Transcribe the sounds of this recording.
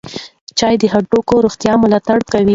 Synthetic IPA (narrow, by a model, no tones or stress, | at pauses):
t͡ʃɑjd̪əɦaʈokoɾoxt̪jɑmʊlɑt̪aɽkawi